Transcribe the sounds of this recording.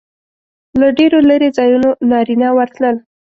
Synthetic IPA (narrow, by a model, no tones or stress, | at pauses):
laɖeɾolaɾezɑjunonɑɾinawəɾt̪ləl